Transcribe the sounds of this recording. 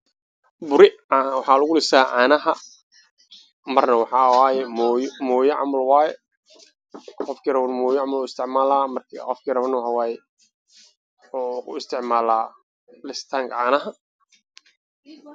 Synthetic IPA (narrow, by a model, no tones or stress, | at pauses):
bʊɾɪwɑħɑːlʊɣʊlɪsaːʔaːnɐɦɐ | mɐrnɐwɑħɑːwaːjɛmɔjmɔːjɐʕɑ̰mɐlwaːjɛ | qɔfkʰiːrɐβnmɔːjɐʕɑmɐlʊɪst̪ʰɪʕmaːlaːmɐrkʰqɔfkʰiːrɐβɐnɐwɑħɑwaːjɛ | ħuːkʰʊɪst̪ʰɪʕmaːlaː | lɪst̪ʰaːŋkʰɐʕaːnɐɦɐ